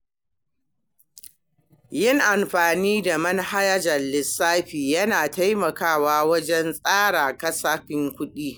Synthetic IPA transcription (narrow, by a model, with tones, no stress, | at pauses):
jɪ˦ŋʔa˨mɸaː˨niː˦da˨mɐ˦nha˦ja˦d͡ʒɐ˨lːɪ˨sːaː˦ɸiː˨jɐ˦naː˨ta˦jmɐ˨kaː˦˨waː˦wɐ˦d͡ʒɛ˦nsʼaː˦ɽaː˨kɐ˦sa˦ɸɪ˦ŋkʷʊ˦ɗiː˦